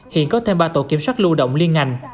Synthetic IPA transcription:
hḭ˧˨ənkɔ˨˦t̪ʰe˧mɓaː˧t̪o˧˩ki˧˩əmswaː˦˥k̚lu˧ɗə̰˧˨wŋ͡mli˧ənŋa˧˩jŋ̟

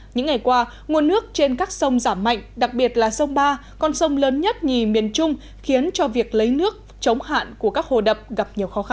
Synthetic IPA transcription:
ɲɨ̰˧˥ŋːa˨˩jkwaː˧ | ŋu˨˩ənːɨ˦˥ək̚t͡ɕe˧nkaː˦˥k̚sə˧wŋ͡mzaː˧˩mːa̰˧˨jŋ̟ɗa˨˩k̚ɓi˨˩ət̚laː˨˩sə˧wŋ͡mɓaː˧ | kɔ˧nsə˧wŋ͡mləː˨˦nɲə˦˥t̚ɲi˨˩mḭ˨˩ənt͡ɕʊ˧ŋ͡m | xi˨˦ənt͡ɕɔ˧vi˨˩ək̚lə˨˦jnɨ˦˥ək̚ | t͡ɕə˨˦wŋ͡mha̰ː˧˨nku˧˩əkaː˦˥k̚ho̰˧˨˩ɗə˨˩p̚ɣa˨˩p̚ɲi˨˩əwxɔ˨˦xa˧

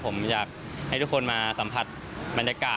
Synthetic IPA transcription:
o˩˦mjaː˨˩k̚ | ha˧˩jt̪u˥kʰo˧nmaː˧sa˩˦mpʰa˧t̪̚ | ba˧njaː˧kaː˨˩

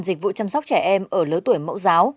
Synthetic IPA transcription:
nzi˨˩k̚vṵ˧˨t͡ɕa˧msɔ˦˥k͡p̚t͡ɕɛ˧˩ʔɛ˧mʔəː˧˩ləː˨˦jt̪u˧˩əjmə̰˧˥wzaː˨˦w

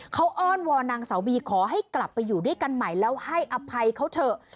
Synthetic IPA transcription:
kʰa˦˥wʔɔː˥˩nwɔː˧naː˧ŋsa˩˦wiː˧kʰɔː˩˦ɦa˥˩jkla˨˩pːa˧jːuː˨˩du˥˩əjka˧nma˨˩jlɛː˦˥wha˥˩jʔa˧pʰa˧jkʰa˦˥wt̪ʰɤ˨˧˩

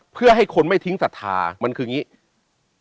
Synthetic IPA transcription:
pʰɯ˥˩ɐɦa˥˩jkʰo˧nma˥˩jt̪ʰi˦˥ŋsa˨˩t̪ʰːa̰ː˧ma˧nkʰɯː˧ŋi˦˥ʔ

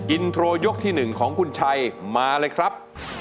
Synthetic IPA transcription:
ki˧nt̪ʰɾoː˧jo˦˥k̚t̪ʰiː˥˩nɯ˨˩ŋkʰɔː˩˦ŋkʰu˧nt͡ɕʰa˧jmaː˧lɤː˧jkʰɾa˦˥p̚

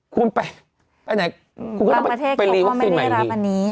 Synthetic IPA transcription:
kʰu˧npa˧j | pa˧na˨˦jʰ | kʰːt̪ʰeː˥˩pa˧liː˧wa˦˥˧ksiː˧nma˨˦˨a˦˥˧wa˧nːiː˦˥

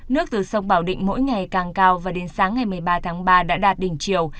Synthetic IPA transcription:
nɨ˦˥ək̚t̪ɨ˨˩sə˧wŋ͡mɓaː˧˩wɗḭ̈˧˨ŋ̟mo̰˧˥jŋa˨˩jkaː˨˩ŋkaː˧wvaː˨˩ɗe˨˦nsaː˨˦ŋːa˨˩jmɨ˨˩əjɓaː˧t̪ʰaː˨˦ŋɓaː˧ɗa̰ː˧˥ɗaː˨˩t̚ɗï˧˩ŋ̟t͡ɕi˨˩əw

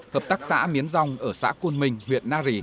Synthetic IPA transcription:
həː˨˩p̚t̪aː˦˥k̚sa̰ː˧˥mi˨˦ənza˧wŋ͡mʔəː˧˩sa̰ː˧˥ku˧ənmï˨˩ŋ̟hwḭ˧˨ənːaː˧zi˨˩

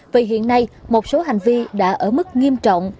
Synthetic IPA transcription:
vi˨˩ɦḭ˧˨ənːa˧jmo˨˩t̚so˨˦ɦa˨˩jŋ̟vi˧ɗa̰ː˧˥ʔəː˧˩mɨ˦˥k̚ŋi˧əmt͡ɕɔ̰˧˨wŋ͡m

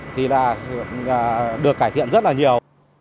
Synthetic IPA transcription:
t̪ʰi˨˩laː˨˩˨ | ɗɨ˨˩əkːaː˧˩jt̪ʰḭ˧˨ənzə˦˥t̚laː˨˩ɲi˨˩əw

